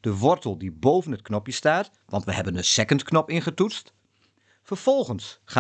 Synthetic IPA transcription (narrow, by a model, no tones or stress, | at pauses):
d̥əʋɔrtəlˠdibowvənət̚knɔpjəstaːt | ʋɑntʋəɦɛbənənsɛkəntknɔpɪnχətutst | fərfɔlˠχənsχa